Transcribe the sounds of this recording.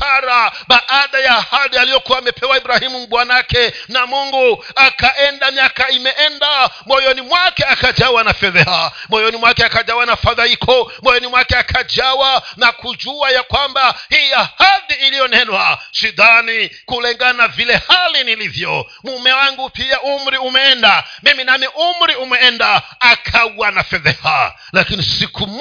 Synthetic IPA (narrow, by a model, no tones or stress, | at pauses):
aɾaɓaʔaɗajaːhaɗialijɔkuwaːmɛpʰɛwaiɓɾahimum̩ɓwanakɛnamuŋɡu | akaʔɛndamiakaimɛʔɛndamɔjɔnimwakɛakad͡ʒawanafɛðɛhamɔjɔnimwakɛakad͡ʒawanafaðaikʰɔmɔjɔnimwakɛakʰad͡ʒawanakud͡ʒuajakwambahiiahadiːlijɔnɛnwaʃid̪anikulɛŋɡanavilɛhalinilivjɔ | mumɛwaŋɡupiaʔum̩ɾiumɛɛndamiminamiʔum̩ɾiumɛɛndaːkʰauwanafɛðɛha̰ | lakinisikʰum